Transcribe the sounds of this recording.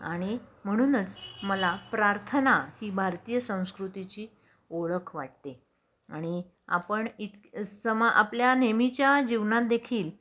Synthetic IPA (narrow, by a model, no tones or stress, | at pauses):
a̰ɽ̃im̤əɽ̃uːnət͡sməlapɾaɾt̪ʰənahiːbʱaɾt̪iːjəsə̃w̃skɾut̪it͡ɕiː | oɭəkʰʋaʈ̚t̪e | a̰ɽ̃i | a̰pəɳit̪səmaʔa̰pljanemit͡ɕjad͡ʑiʋnãt̪̚d̪ekʰiːl